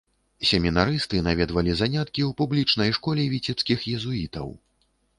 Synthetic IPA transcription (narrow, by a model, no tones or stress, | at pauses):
sʲɛmʲinaɾɨst̪ɨnavʲɛd̪vɐlʲizanʲat̪kʲiwpublʲit͡ʂnɐjʂkɔlʲɛvʲit͡sʲɛpskʲixjɛzuit̪ɐ̰w